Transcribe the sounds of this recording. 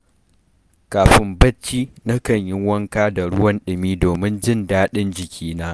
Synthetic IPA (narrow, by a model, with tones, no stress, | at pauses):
kaː˨ɸɪ˦mbɐ˦t͡ʃːiː˦nɐ˦kɐ˨ɲjɪ˦ŋwɐ˦ŋkaː˦da˨ɽʊ˦wɐ˦nɗɪ˨miː˦doː˨mɪ˦nd͡ʒɪ˦˨ndaː˦ɗɪ˦nd͡ʒɪ˨kʲʰiː˦naː˦